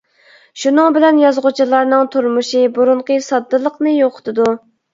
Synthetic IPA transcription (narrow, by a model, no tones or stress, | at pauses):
ʃunɨŋbɪlɛnjɑzʁʊt͡ʃʰilˠɑɾnɨŋt̪ʰuɾmuʃɨbuɾunqəsɑd̪ːɨlˠəqnɨjoqʰʊ̥t̪ʰɨd̪u